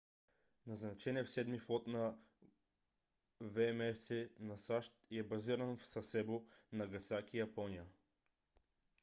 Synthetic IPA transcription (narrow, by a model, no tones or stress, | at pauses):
nɐznɐt͡ʃɛniɛfsɛd̪miflˠɔt̪nɐ | vɛmɛsɛnɐsaʃt̪ɛbɐziɾənfsɐsɛbonɐɡɐt̪sakijɐpɔnijə